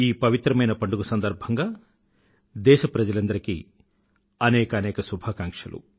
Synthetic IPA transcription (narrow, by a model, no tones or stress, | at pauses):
iːpɐʋit̪ɾɐmɐjnɐpɐɳɖuɡusɐnd̪ɐɾbʱɐŋɡaː | d̪ɛːʃɐpɾɐd͡ʒɐlɐnd̪ɐɾikḭ | ɐnɛːkɐnɛːkɐsubʱaːkaːŋkʂɐlṵ